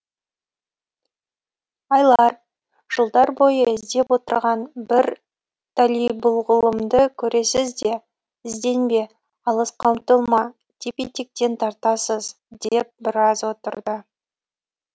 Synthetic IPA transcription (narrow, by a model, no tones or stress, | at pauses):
ɑjlˠɑɾ | ʒ̥əlˠd̪ɑɾbo̞jəɪzd̪e̞pwo̞t̪ə̰ɾʁɑnbɪɾ | t̪ʰalijbʊlˠʁʊlˠəmd̪əkʲʰɵɾe̞sɪzd̪e̞ | ɪzd̪e̞nbe | ɑlˠəsqʰɑwmt̪əlˠmɑ | t̪ʲipit̪ik̚t̪e̞nt̪ʰɑɾt̪ɑsəz | d̪e̞p̚bɪɾɑzwo̞t̪ə̰ɾd̪ə